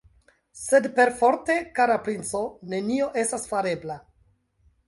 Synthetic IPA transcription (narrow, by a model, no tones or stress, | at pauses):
se̞dpe̞ɾfo̞ɾte̞kaɾapɾint͡so̞ne̞nio̞ʔe̞stasfaɾe̞bla